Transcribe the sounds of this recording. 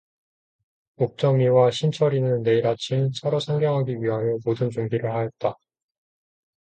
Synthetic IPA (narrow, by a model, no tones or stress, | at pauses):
mok̚t͡ɕ͈ʌmiwaɕʰimt͡ɕʰʌɾinɯnːe̞iɾat͡ɕʰimsʰʌɾosʰaŋɡjʌŋɦaɡiɥiɦajʌmodɯnt͡ɕuŋbiɾɯɭhajʌt̚t͈a